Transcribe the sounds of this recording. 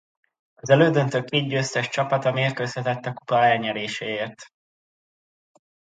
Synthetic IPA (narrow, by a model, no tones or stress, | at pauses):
ɒzɛløːd̪ø̞nt̪ø̞kːeːd̪ɟøːst̪ɛʃt͡ʃɒpɒt̪ɒmeːrkøːsɛt̪ɛt̪ːɒku̥pɒɛlɲɛɾeːʃeːeːrt̪